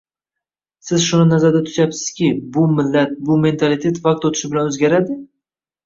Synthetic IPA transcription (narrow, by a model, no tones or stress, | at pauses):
sɪzʃʊnɪnazaɾd̪at̪ʰʊ̥ʃapsɪ̥z̥kʲɪbʊmɪlːat̪̚bʊme̞nt̪ʰalɪt̪ʰet̪vaq̚t̪ot̪ʰɪ̥ʃɪbɪlanɵzɡʲaɾad̪ɪ